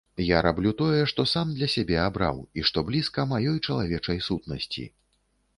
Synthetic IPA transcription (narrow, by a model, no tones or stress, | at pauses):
jaɾablʲut̪ɔjɛʂt̪ɔsamd̪lʲɐsʲabʲɛabɾa̰wiʂt̪ɔblʲiskɐmajɔjt͡ʂɐlˠavʲɛt͡ʂɐjsut̪nɐsʲt͡sʲḭ